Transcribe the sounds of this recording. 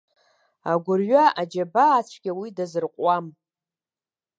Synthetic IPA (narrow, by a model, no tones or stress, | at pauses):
aɡʷʊrɥaʔad͡ʒabaːt͡ʃʷʰɡʲawidazɨrqʷʼwam